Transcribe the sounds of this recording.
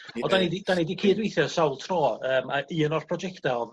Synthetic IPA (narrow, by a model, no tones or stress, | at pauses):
ɔdanidid̥anidikʰiːdwejθjɔsawlˠtʰrɔːəːmaʔiənɔrpʰrɔd͡ʒɛktɛlˠ